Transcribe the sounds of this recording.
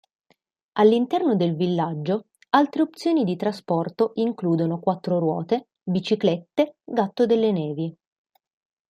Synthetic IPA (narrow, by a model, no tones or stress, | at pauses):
alːint̪ɛrnod̪elvilːad͡ʒːo | alt̪ɾeopt̪sːjoːnid̪it̪ɾaspɔrt̪oʔiŋkluːd̪onokwat̪ːɾoɾwɔ̰ːt̪e | bit͡ʃiklɛt̪ːeɡat̪ːod̪elːenɛːvi